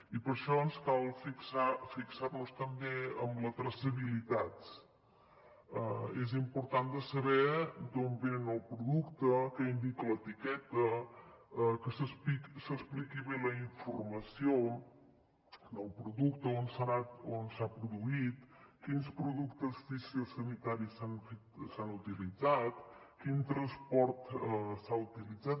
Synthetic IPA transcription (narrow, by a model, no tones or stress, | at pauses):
ipəɾʃɔənskalˠfiksafiksarnust̪əmbeəmlət̪ɾəsəβilit̪at̪s | əezimpuɾt̪and̪əsəβɛd̪ombenənəlˠpɾuðukt̪əkəind̪ikələt̪ikɛt̪ə | əkəsəspiksəsplikiβeləiɱfurməsio | nəlˠpɾuðukt̪əonsanat̪onsapɾuðuit̪kinspɾuðukt̪əsfisəsənit̪aɾisanfet̪sanut̪ilid͡zat̪ | kint̪ɾənspɔɾt̪saut̪ilid͡zat̪